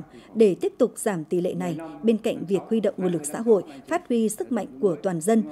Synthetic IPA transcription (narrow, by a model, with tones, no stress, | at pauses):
ɗe˧˩t̪i˦˥əp̚t̪ʊ˨˩k͡p̚z̥aː˧˩mt̪i˧˨˩lḛ˧˨na˨˩jɓe˧nka̰˧˨jŋ̟vi˨˩ək̚hwi˧ɗə̰˧˨wŋ͡mŋu˧˩lɨ˨˩k̚sa̰ː˧˥ɦo̰˧˨jfaː˦˥t̚hwi˧sɨ˦˥k̚ma̰˧˨jŋ̟ku˧˩ət̪waː˨˩nzə˧n